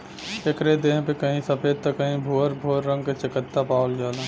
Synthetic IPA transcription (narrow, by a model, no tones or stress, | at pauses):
ekɾed̪ẽːɦpekəɦĩsəpʰeːd̪̚t̪əkːəɦĩbʱoːəɾbʱoːəɾːə̃ŋɡ̚ket͡ʃɪkət̪ːapaːəlɡaːlã